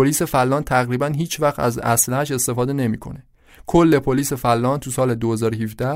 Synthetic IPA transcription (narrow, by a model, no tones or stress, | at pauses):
oliːse̞fælːɒːnt̪ʰæɣɾiːbænɦiːt͡ʃʰvæχt̪æ̰zæ̰slæhæʃe̞st̪e̞fɒːd̪e̞ne̞miːkʰo̞̰ne | kʰolːe̞pʰoliːse̞fælːɒːnt̪ʰusɒːle̞d̪ohezɒːɾhivd̪æ